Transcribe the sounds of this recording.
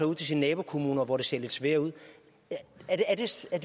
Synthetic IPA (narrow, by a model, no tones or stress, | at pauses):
ɐuð̰ˠt͡sʰe̝s̬innɛːb̥o̝kʰo̝muːnɐʋɒd̥e̝se̝ɐle̝d̥sʋeːɐuð̰ˠ | ædeæɐd̥e̝æɐd̥